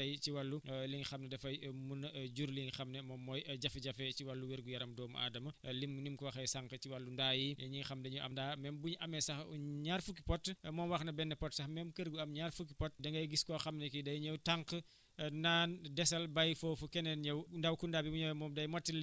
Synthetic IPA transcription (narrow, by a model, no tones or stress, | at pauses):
ɐjciwɐlːuliŋxɐmnɐdɛfɐjmunɟuɾliŋxɐmnɛmɔːmːɔːjɟɐfɛɟɐfɛt͡ʃiwɐlːuwɛɾɡujɐɾɐmdɔːmɐ̰ʔa̰ːdɐmɐlimnimkuwɐxɐjsaŋkət͡ʃiwɐlːundaːjiɲiŋxɐmdɐɲuʔɐ̰mndaːmɛmbuɲɐmɛsɐxuɲaːrfukːi̥pɔtːmɔːmwɐxnɐbɛnːɛpɔtsɐxmɛmkəɾɡuɐmɲarfukːipɔt̚dɐŋɡɐjɡiskɔːxɐmnɛkidɐjɲɐwtaŋk | naːndɛsɐlbɐjfoːfukɛnɛnɲɐwndɐwkundaːbibuɲɔmɔːmdɐjmɔtːil